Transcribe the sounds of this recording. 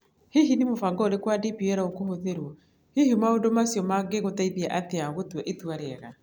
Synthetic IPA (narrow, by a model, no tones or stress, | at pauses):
hiɦinimofaŋɡɔoɾekwadipiɛɾaokohoðeɾwɔ | hihimaondomasjɔmaɡeɣotaiðiaʔateaɣotwɛʔetwaɾɛɣa